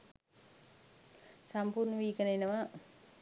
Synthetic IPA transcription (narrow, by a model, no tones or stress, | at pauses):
sampuɾnəʋiːkənəenəʋa